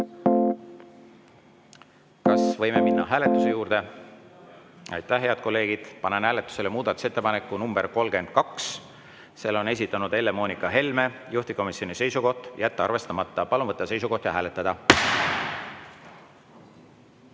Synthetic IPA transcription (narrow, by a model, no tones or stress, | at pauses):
kɑsvɤ̞jme̞minːɑ̰ɦæːle̞t̪ːˑuse̞juːɾd̪̥e̞ | ɑ̰jt̪ːˑæhɦeɑd̪̚ko̞lːe̞ːɡ̥id̪̥pɑnenhæːle̞t̪ːˑu̥se̞le̞muːd̪̥ɑt̪ːˑu̥se̞t̪ːe̞pɑnekːˑunumb̥e̞ɾko̞lɡe̞nd̪̥̚kɑks | se̞lːo̞ne̞s̬ʲit̪ːˑɑnud̪e̞lːemo̞ːnikːˑɑɦe̞lme̞juht̪iko̞misʲːjo̞nise̞jsuko̞ht̪jæt̪ːeɑ̰rve̞st̪ɑmɑt̪ːˑɑpɑlunvɤt̪ːɑse̞jsuko̞ht̪jɑɦæːle̞t̪ːˑɑd̪̥ɑ